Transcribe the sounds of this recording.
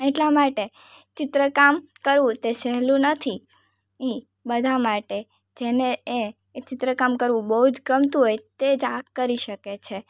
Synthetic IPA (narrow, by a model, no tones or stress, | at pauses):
eʈlamaʈe | t͡ʃɪt̪ɾəkamkəɾʋũt̪esɛɦlũnət̪ʰi | i | bəd̪ʱamaʈe | d͡ʒenee | t͡ʃɪt̪ɾəkamkəɾʋũbəɦud͡ʒɡəmt̪ũɦojt̪ed͡ʒakkːəɾiʃəket͡ʃʰe